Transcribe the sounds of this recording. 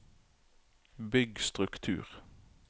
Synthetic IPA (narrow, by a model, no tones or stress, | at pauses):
bʏɡst̪ʁʉkt̪ʰʉ̰ːʁ